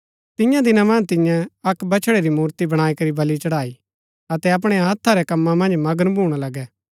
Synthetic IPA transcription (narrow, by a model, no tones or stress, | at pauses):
t̪ɪ̃jãd̪ɪnamɐ̃nt̪ɪ̃jãɐkbɐt͡ʃʰɽeɾimuːɾt̪ibɐɽ̃aːikɐɾibɐlit͡ʃɐɽaːi | ɐt̪ɛɐp̬ɽ̃ɛɦɐt̪ʰːaɾɛkɐmːãmɐ̃nd͡ʒmɐɡəɾbʱuːɽ̃alɐɡɛ